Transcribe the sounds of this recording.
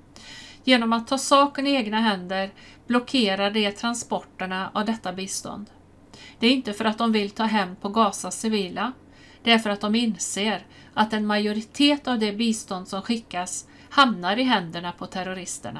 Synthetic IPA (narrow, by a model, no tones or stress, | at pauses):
jeːnɔmat̪ʰːɑːsɑːkənɪeːɡnaɦɛnd̪əɾ | b̥lɔkʰeːɾaɖɛt̪ʰɾanspɔʈːəɳaavd̪ɛt̪ːabiːst̪ɔ̰nd̪ | d̪̥ɛæɾɪnt̪əfœɾat̪̚d̪ɔmvɪlt̪ʰɑːɦɛmːpʰɔɡɑːsasɪviːla | d̪̥ɛæɾfœɾat̪̚d̪ɔmɪnseːɾ | ʔat̪ɛnmajʊɾɪt̪ʰeːt̪avd̪ɛbiːst̪ɔnd̪sɔmɧɪkːas | hamnaɾɪɦɛnd̪əɳapʰɔt̪ʰæɾʊɾɪst̪ə̰ɳa̰